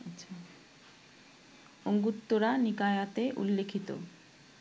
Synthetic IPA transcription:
aɕʰa | oŋɡut̪ːoɾanikajat̪eʔṵlːekʰit̪o̰

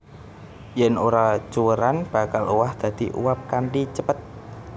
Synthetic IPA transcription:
jɛnoɾat͡ʃuwəɾanb̥a̤kaluwahd̪̥ä̤d̪̥iʔṵwap̚kaɳʈit͡ʃəpət̪̚

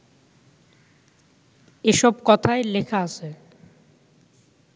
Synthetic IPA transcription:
eʃɔbkɔt̪ʰaelekʰaaʃʰe

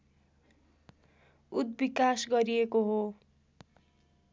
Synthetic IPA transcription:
ud̪̚bikasɡʌɾiekoɦo

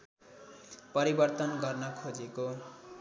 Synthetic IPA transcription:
pʌɾibʌrt̪ʌnɡʌrnʌkʰod͡zeko

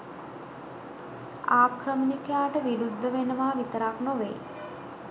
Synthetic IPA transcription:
aːkɾəmənikəjaːʈəʋiɾud̪ʱːəʋenəʋaːʋit̪əɾaknoʋḛj

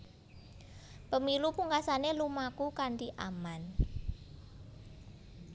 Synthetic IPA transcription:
pəmilupuŋkasanelumakukaɳʈiʔaman

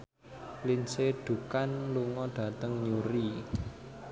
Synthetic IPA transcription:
linseɖ̥ṳkanluŋɔɖ̥ä̤t̪əŋɲuɾi

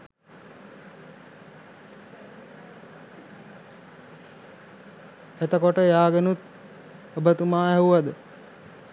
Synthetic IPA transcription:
et̪əkoʈəjaːɡenut̪ | obət̪umaːɛuʋad̪ə

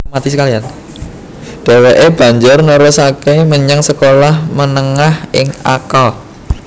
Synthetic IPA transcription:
mat̪isəkalian | d̥e̤weʔeb̥a̤ɲd͡ʒʊrnoɾɔsakeməɲaŋsəkolahmənəŋahɪŋa̰kɔl

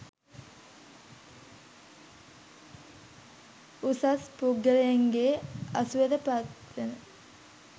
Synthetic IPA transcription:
usaspuɡəlejeŋɡeɐsuʋed̪əpat̪ʋenə

